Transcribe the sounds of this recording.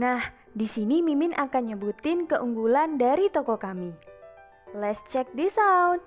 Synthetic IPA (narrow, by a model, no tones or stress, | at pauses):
nah | disinimimɪnʔakanɲəbut̪ɪnkəʔuŋɡulandaɾit̪ɔkɔkami | lɛt̪st͡ʃɛk̚disawn